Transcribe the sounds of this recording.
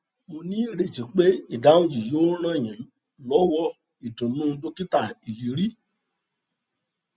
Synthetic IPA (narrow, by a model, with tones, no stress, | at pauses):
mo˧nĩ˨˦˨ɾe˨d͡ʒi˨k͡pe˦i˦˨da˨˦ũ˧d͡ʒi˨joː˦lɔ̃˦˨j̃ɛ̃˨ | lɔ˨˦wɔ˦˨ | i˨dũ˨mũ˦˧˦do˦ki˦ta˦˨i˨ji˨˦ɾi˦